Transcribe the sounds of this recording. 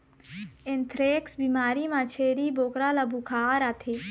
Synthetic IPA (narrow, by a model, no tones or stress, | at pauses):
ɪnt̪ʰɾeːksbiːmaːɾimãt͡ʃʰeːɾiːboːkɾaːlabukʰaːɾaːt̪ʰe